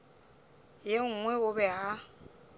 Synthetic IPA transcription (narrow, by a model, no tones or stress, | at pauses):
jeŋ̩ŋwɛʊbɛɦa